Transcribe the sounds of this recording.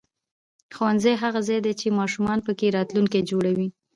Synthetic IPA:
xowanzajɦaɣazɑjd̪et͡ʃemɑʃumɑnpəkeɾɑt̪luŋked͡ʒoɽawi

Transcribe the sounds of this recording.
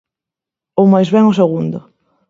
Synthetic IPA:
owmajzβɛŋʊseɣund̪ʊ

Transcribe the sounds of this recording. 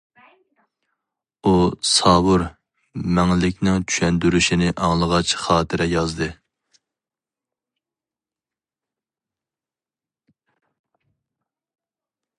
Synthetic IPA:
usɑːbuɾ | mɛŋlɪkʲnɪŋt͡ʃʰy̥ʃɛnd̪yɾyʃinɪʔɑŋlˠəʁɑt͡ʃχɑːt̪ʰɪɾɛjɑzd̪ɨ

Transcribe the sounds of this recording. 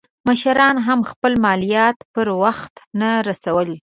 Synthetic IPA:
məʃɾɑnɦamxpəlmɑlijɑt̪pəɾwaxt̪naɾasawəl

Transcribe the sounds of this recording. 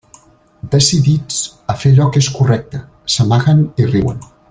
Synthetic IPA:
d̪əsiðid͡zəfeʎɔkeskurɛk̚t̪ə | səmaɣəniriwə̰n

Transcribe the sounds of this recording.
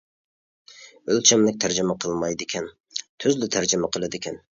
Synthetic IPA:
ølt͡ʃʰɛmlɪk̚ʲt̪ʰæɾd͡ʒɪmɛqʰəlˠmɑjd̪ɪkʲʰɛn | t̪ʰøzlɪt̪ʰæɾd͡ʒɪmɛqʰəlˠɨd̪ɪkʲʰɛn

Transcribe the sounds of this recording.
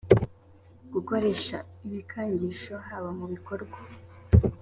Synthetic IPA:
ɡ̥uko̞ɾe̞ʃaiβikʰaːɲɟiʃo̞ɦaːβamuβiko̞ɾɡwa

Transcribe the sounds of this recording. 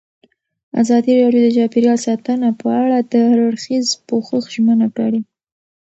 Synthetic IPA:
a̰zɑd̪iɾɑɖjod̪əd͡ʒɑpeɾjɑlsɑt̪ənapəaɽad̪əɾaɽxizpoxəxʒmənakaɽi

